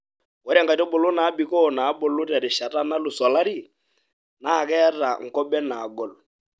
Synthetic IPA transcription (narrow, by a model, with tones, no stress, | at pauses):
ɔ˨ɾa˦ŋɡa˨tɔ˦bʊ˨lʊ˦na˨˦bi˨kɔ˦˨na˨˦bʊ˨lʊ˦ta˨ɾɪ˨ʃa˨ta˦na˦lʊ˨sɔ˨la˦ɾi˦˨ | na˦˨kɛ˦ra̰˨ŋ̩˨kɔ˦bɛ˦naː˨ɡɔ˨l